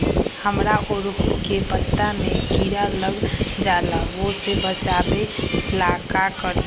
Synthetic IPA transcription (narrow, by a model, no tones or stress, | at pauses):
həmɾaʔoɾpkepət̪ːamẽkiɾaləɡd͡ʒalaʋosebət͡ʃabelakakəɾ